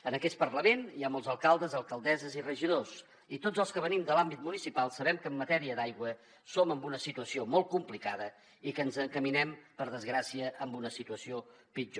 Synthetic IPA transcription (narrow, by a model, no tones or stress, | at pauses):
ənəkɛst̪̚pəɾləmeniamolˠzəlˠkalˠd̪əzəlˠkəlˠd̪ɛzəzirəʒiðos | it̪od͡zəlˠskəβənimd̪əlambit̪munisipalˠsəβɛmkəmːət̪ɛɾiədajɣwə | soməmbunəsit̪uəsiomolˠt̪kumplikaðə | ikənzəŋkəminɛmpəɾðəzɣɾasiəʔəmbunəsit̪uəsiopid͡ʒo